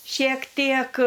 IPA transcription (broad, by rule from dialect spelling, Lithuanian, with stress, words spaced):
ʃʲiɛk ˈtʲiɛk